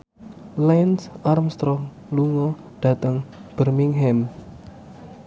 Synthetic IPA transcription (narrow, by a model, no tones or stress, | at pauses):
lɛnsʔarmst̪ɾɔŋ | luŋɔ | ɖ̥ä̤t̪əŋb̥ərmiŋɦɛm